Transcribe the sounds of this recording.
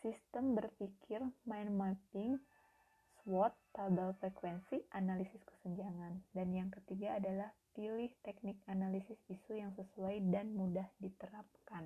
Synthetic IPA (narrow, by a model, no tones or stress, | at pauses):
sist̪əmbərfikʰɪrmajnmatɪŋ | swɔt̪ːabalfɾekwɛnsiʔanalisɪskə̥səɲd͡ʒaŋandanjaŋkət̪iɡaːdalahpilɪht̪ɛk̚nɪk̚analisɪsisujaŋsəsuajdanmudahdit̪əɾap̚kan